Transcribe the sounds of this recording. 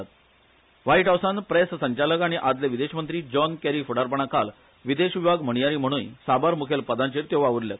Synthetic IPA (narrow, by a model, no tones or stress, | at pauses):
t̪̚ | ʋaiʈɦawsanpɾessəɲt͡ɕaləkaɽ̃iʔad͡zleʋid̪eɕmənt̪ɾiːd͡ʑɔnkæɾiːfuɽaɾp̬əɳ̃akal | ʋid̪eɕʋibʱaɡm̤əɳ̃ijaɾiːm̤əɽ̃uːnsabaɾmukʰelpəd̪ãɲt͡ɕiːɾt̪jeʋaʋuɾljat̪̚